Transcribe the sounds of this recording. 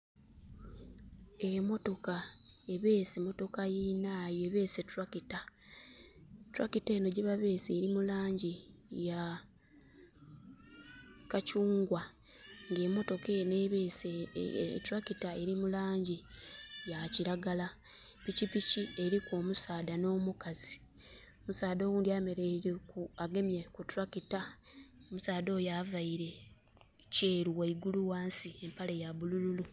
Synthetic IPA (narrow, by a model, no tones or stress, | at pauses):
emo̞to̞kaeβeːsemo̞to̞kajinaːjoeβe̞ːsetuɾakita | tuɾakiteːno̞ɟiβaβe̞ːseɾimulaːɲɟija | kacuːŋɡwa | ŋɡe̞ːmo̞to̞kenees | tuɾakitae̞ɾimulaːɲɟijaciɾaɡala | picipicie̞ɾikomusaːd̪ano̞ːmukazi̥ | omusaːd̪o̞ːwuːndiameɾeɾekuaɡe̞mjekutɾakitaomusaːdo̞javaiɾe̞ | ce̞ːɾuwaiɡuluwaːnsie̞mpale̞jaβulululu